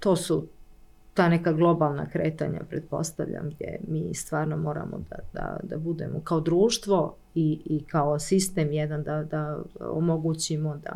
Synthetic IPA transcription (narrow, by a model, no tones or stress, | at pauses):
t̪oːsu | t̪aːnekaɡlˠo̞balˠna̰kɾḛːt̪a̰ɲa̰pɾet̪̚po̞̰st̪aʋʎa̰mɡd̪jḛmiːst̪ʋaːɾnomo̞ːɾa̰mod̪ad̪a̰d̪a̰bud̪e̞̰mokaod̪ɾuːʃt̪ʋo̞ | iikaosist̪eːmjɛd̪and̪ad̪ao̰moɡut͡ɕimod̪a̰